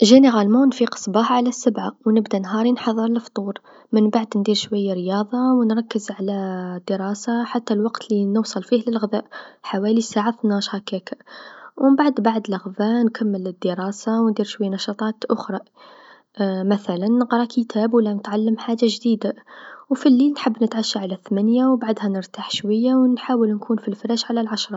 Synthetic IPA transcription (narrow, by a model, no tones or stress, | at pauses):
ʒæniɣælmunfiqə̥sˤbɑħʕalæsːəbʕawnəbd̪ænɦɑɾˤinħɑðˤːəɾləft̪ˤuɾ | mənbaʕd̪nd̪iɾʃwæjːaɾjɑðˤɑwənɾˤɑkːəzʕalæd̪ːəɾˤɑsaħat̪ːælwɑqt̪linəwsˤɑlfihləlɣɪd̪æʔħawælisaʕaθnɑʃhɑkækawəmbaʕd̪baʕd̪lɑɣðankʰamːələd̪ːəɾˤɑːsawnd̪iːɾʃwajːanɑʃɑt̪ˤɑːt̪ʔʊxɾˤɑ | mæθælanːəqɾˤɑkʰit̪ʰæbwəlːænət̪ʕalːəmħaːʒːaʒd̪iːd̪awfilːilnħəbːnət̪ʕaʃːaʕalæθmænjawbaʕd̪hænəɾt̪aħʃwajːawnħaːwəlnkʰuːnfilfɾæʃʕalælʕaʃɾˤɑ